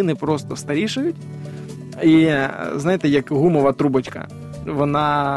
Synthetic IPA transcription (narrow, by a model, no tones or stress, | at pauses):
ɪnɪpɾɔst̪ɔst̪ɐɾʲiʃʊjʊtʲ | iznɑjet̪ɛjɐkɦumɔʋɐt̪ɾubɐt͡ʃkɐ̰ | ʋɔnɑ